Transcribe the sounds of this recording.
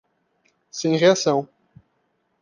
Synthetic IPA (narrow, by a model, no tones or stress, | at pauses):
sẽj̃ʁeasɐ̃w̃